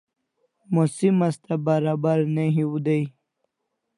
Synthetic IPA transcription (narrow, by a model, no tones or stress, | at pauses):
mosimast̪abaɾaːbaɾnaɦiwud̪aj